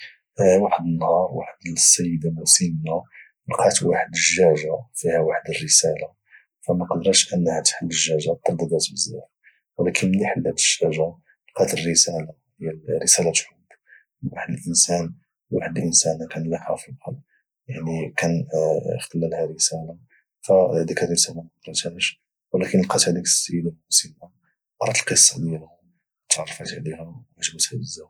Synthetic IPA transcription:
waħəd̪ənːhɑɾˤwa̰ħəd̪əsːæjːəd̪amusinːa | lqɑt̪waħəd̪əʒːæʒafihæwaħəd̪ərːəsæla | fæmæqɑd̪ɾˤɑʃʔənːhæt̪ħəlːəʒːæʒat̪ˤːɑɾd̪ɑd̪æt̪bəzːæ̰f | wlækʰənməniħəlːæt̪ə̥ʒːæʒa | lqɑt̪ərːəsæla | əjːæːəsælat̪ħʊbː | waħəd̪əlʔənsæn | waħəd̪lʔənsænkænlæxɑfəd̪ˤhɑ | jaʕnikænxt̪əlːælhæɾəsæla | fæd̪ikærəsælamɑt̪ɾˤɑt̪æʃ | wəlækənəlqɑt̪æd̪ik̪sjəlælmusəla | ʔɑɾˤɑt̪əlqəsˤːɑd̪jælʊ | t̪ʕɑrˤfət̪ʕlihææʒbət̪hæbəzːæf

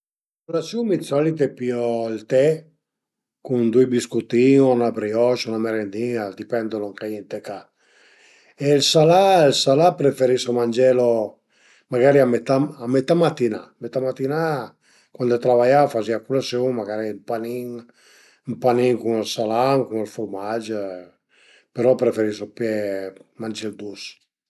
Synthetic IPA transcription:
kulasjummisɔlit̪̬epiɔlt̪ɛ | kund̪ujbiskut̪iŋɔnabɾiɔʃunameɾend̪iŋad̪ipɛnd̪onoŋkajint̪eka | elsalalsalapɾefeɾisomand͡ʒɛlo | maɡaɾiamet̪aamet̪amat̪inamet̪amat̪ina | kwand̪ot̪ɾavajafaziakulasjuŋmaɡaɾimpaniŋ | mpaniŋkunelsalamkuŋelfuɾmad͡ʒ | peɾɔpɾefeɾisopjɛmand͡ʒɛld̪us

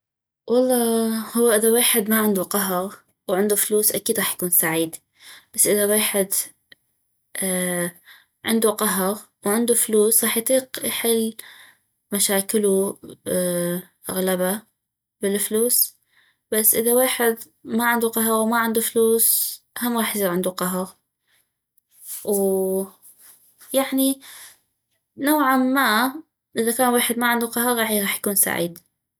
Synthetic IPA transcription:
wʔɑlˤːɑːhʊwːaʔɪðaweːħɪd̪maʕɪnd̪uqɑɦɣ | wʕɪnd̪ufluːsʔakiːd̪ɾˤɑːħjakuːnsaʕiːd̪ | b̥asːʔɪðaweːħɪd̪ | ʔ | ʕɪnd̪uqɑɦɣ | wʕɪnd̪ufluːsʁɑːħjt̪ˤiːqjħɪlː | maʃaːkɪlu | ʔa̰ɣlaba | bɪlfluːs | b̥asːʔɪðaweːħɪd̪ | maʕɪnd̪uqɑɦɑɾˤwmaʕɪnd̪ufluːsʔahamːɣɑːħjsiːɾʕɪnd̪uqɑɦɑɾ | w | jaʕni | nawʕamːa | ʔɪðakaːnweːħɪd̪maʕɪnd̪uqɑɦɑɾˤɣɑːħjɣɑːħjḁkuːnsa̰ʕḭːd̪

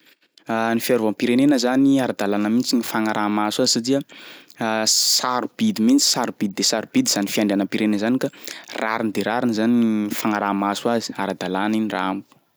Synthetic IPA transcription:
anifiaɾuampiɾenenəzaniaɾad̪alanəmint͡sinifaŋaɾʔamaswazi̥sat̪iə | saɾub̥id̪imint͡si̥saɾubid̪id̪esaɾub̥id̪iz̥anifiaɳɖ͡ʐeanəpiɾenenzanikara̰ɾinid̪eɾaɾinizanifaŋaɾamasuazi̥aɾad̪alaninirambu̥

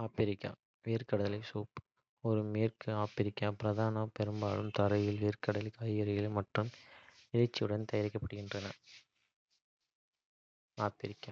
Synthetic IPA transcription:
aːpɪɾɪkːa̰ | ʋiːɾkɐɽɐɐlɐɪsuːp | ɔɾɯmeːrkɯaːpɪɾɪkːaːpɪɾɐðaːnɐpɛɾɯmbaːlɯmt̪ɐɾɐjɪlʋiːɾkɐɽɐlɪkaːjɐɾɐjɪlmɐʈrɯmɪlɐɪt͡ʃːɪɯɽɐnt̪ɐjɐɾɪkːɐpːɐɽɯɣɪndrɐnɐ | aːpɪɾɪkːa̰

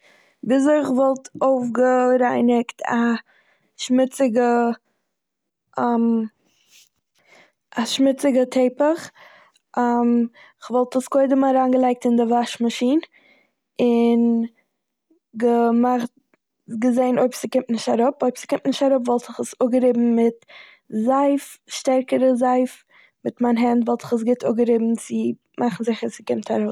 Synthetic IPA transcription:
biːsoɪχvɔlˠtoʊfɡəɾaɪnɪktʰa | ʃmɪt͡sɪɡə | am | aʃmɪt͡sɪɡətʰeɪpəχ | am | ɪχvɔlˠtəskoɪdəmaɾaːnɡəlˠaɪk̚tɪndɪvaʃmaʃiːn | ɪn | ɡəmaχt | ɡəzeɪnʔoɪpsɪkɪmtnɪʃtaɾʊpoɪpsɪ̥kɪmtnɪʃtaɾʊpvɔlˠtɪχəsʊɡəɾɪbm̩mɪt | zaɪfʃtɛɾkəɾəzaɪf | mɪtmanɦɛntvɔlˠtɪ̥χəs̬ɡɪtʰʊɡəɾɪbm̩t͡sɪ | mʔaχn̩zɪχəsɪkɪmtʰaɾoʊs

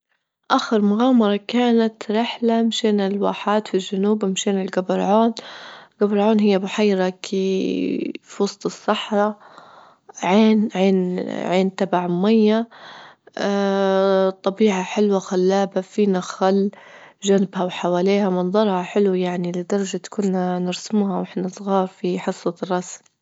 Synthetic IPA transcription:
ʔaːxɪɾmʊɣaːmɑɾˤɑkaːnat̪ɾɪħlamʃeːnɪlwa̰ːħaːt̪filʒanuːbmʃeːnɪlɡabɪɾʕoːnɡabɾˤʕoːnɦɪjːabʊħajɾˤɑkʰi | fɑsˤt̪ˤɨsˤːɑħɾˤɑ | ʕeːnʕeːnʕeːnt̪abaʕmʊmajːa | t̪ˤɑbiːʕaħɪlwaxalːaːbafiːnaxalːʒanɪbhawħawaːleːhamɑnd̪ˤɑɾˤhaħɪlwjaʕnilɪd̪ɑɾˤɑd͡ʒat̪kʊnːanɪɾsɪmuːhawʔɪħnasˤɣɑːɾˤfiħɨsˤːɑt̪rˤːɑsm

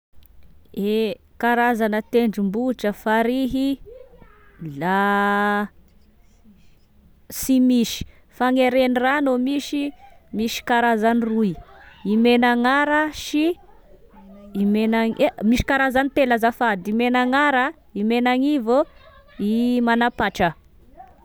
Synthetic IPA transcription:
e | kaɾazanət̪eɳɖ͡ʐumbuʈ͡ʂəfaɾiɦi | la | simiʃi̥ | faŋeɾeniranomiʃimiʃi̥kaɾazaniruiimenaŋaɾəʃi | imenaŋemiʃi̥kaɾazanit̪elazafad̪imenaŋaɾə | imenaŋivoimanapaʈ͡ʂə

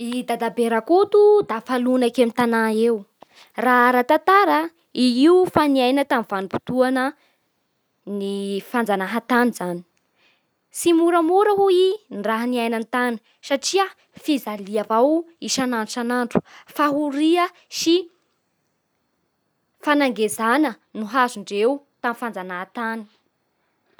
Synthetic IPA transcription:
id̪ad̪abeɾakot̪ud̪afalunakemit̪anaew | raɾat̪at̪aɾə | iiufaniajnət̪amv̥anipu̥t̪uanə | nifand͡zanaɦat̪anizani̥ | simuɾəmuɾəɦuinraɦaniajnant̪ani̥ | saʈ͡ʂiə | fizaliavawiʃanaɳɖ͡ʐusanaɳɖ͡ʐu̥faɦuɾiə | ʃi | fanaŋɡezanə | nuɦazuɳɖ͡ʐewt̪amifand͡zanaɦat̪ani̥

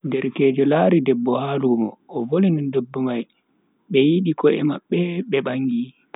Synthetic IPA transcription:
dɛɾkɛːd͡ʒɔlaːɾidɛbːɔhaːlumɔ̰ːvolinindobːumaj | ɓɛjiɗikɔɛ̰maɓːɛɓɛɓaŋːɡi

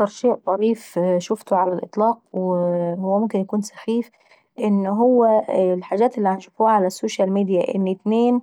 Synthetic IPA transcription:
ak̪ɑɾˤʃeːʔt̪ˤɑɾiːfʃʊft̪ʊʕalælʔɨt̪ˤlɑːq̚whʊwːæmʊmkɪnjakuːnsḁxiːf | ʔɪnːɦʊwːælħaːʒæːt̪ʔɪlːianʃʊfuːʕalæsːoːʃælmiːd̪ijaʔɪ̰nːɪt̪neːn

